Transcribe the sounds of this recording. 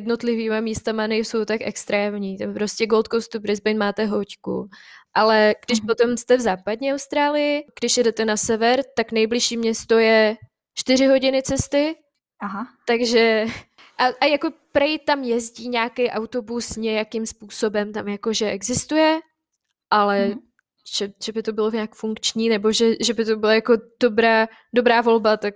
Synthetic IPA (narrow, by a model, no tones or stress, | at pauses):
jɛdno̞t̪lɪviːmamiːst̪amanɛjso̞wt̪akɛkst̪ɾɛːmɲiːt̪ampɾo̞scɛɡo̞lt̪kowst̪upɾɪzbɛjnmaːt̪ɛɦo̞ckṵʔalɛɡ̥dɪʃpo̞t̪o̞mst̪ɛvzaːpadɲɛawst̪ɾaːlɪjɪɡ̥dɪʃjɛdɛt̪ɛnasɛvɛɾt̪aknɛjblɪʃiːmɲɛst̪o̞jɛ | t͡ʃt̪ɪrɪɦo̞ɟɪnɪt͡sɛst̪ɪ | aɦat̪aɡʒɛ | ʔaʔajako̞pɾɛjt̪amjɛzɟiːɲaːkɛjʔawt̪o̞busɲɛjakimspuːso̞bɛmt̪amjako̞ʒɛʔɛɡzɪst̪ujɛ | ʔalɛ | ʒ̥ɛʒ̥ɛbɪt̪o̞bɪloɲaːkfuŋkt͡ʃɲiːnɛbo̞ʒɛʒɛbɪt̪o̞bɪlajako̞d̥obɾaː | do̞bɾaːvo̞lbat̪ak̚